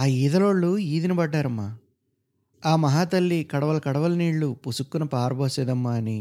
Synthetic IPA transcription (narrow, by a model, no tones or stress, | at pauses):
aːiːd̪ɐloːɭːuiːd̪inɐbɐɖːaːɾɐmːaː | aːmɐɦaːt̪ɐlːikɐɽɐʋɐlɐkɐɽɐʋɐlɐniːɭːupusukːunɐpaːɾboːsɛːd̪ɐmːaːni